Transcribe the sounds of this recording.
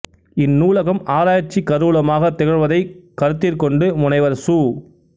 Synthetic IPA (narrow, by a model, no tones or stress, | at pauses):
ɪnːuːlɐɣɐmʔaːɾaːjɐt͡ʃːikɐɾuːlɐmaːɣɐt̪ːɛɣɐɻʋɐðɐɪkɐɾɯt̪ːɪrkɔɳɖɯmʊnɐɪʋɐɾsuː